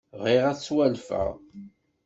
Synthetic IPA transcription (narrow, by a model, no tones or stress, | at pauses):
ʁiʁæt͡sːwælfə̰ʁ